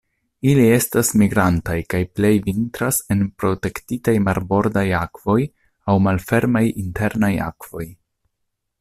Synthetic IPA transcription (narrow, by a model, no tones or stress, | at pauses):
ilie̞stasmiɡɾantajkajple̞jvintɾase̞npɾo̞te̞ktitajmaɾbo̞ɾdajakv̥o̞j | awmalfe̞ɾmajinte̞ɾnaja̰kv̥o̞j